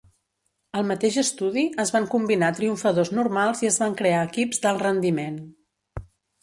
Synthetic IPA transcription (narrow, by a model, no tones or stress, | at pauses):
əlˠmət̪eʒəst̪uðiəzβaŋkumbinat̪ɾiuɱfəðoznuɾmalˠziəzβaŋkɾeaəkibzd̪əlˠrənd̪imen